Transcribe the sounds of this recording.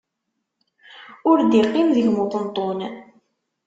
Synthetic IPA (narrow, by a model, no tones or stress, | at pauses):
ʊɾd̪iqːimðəʝmot̪ˤənt̪ˤːon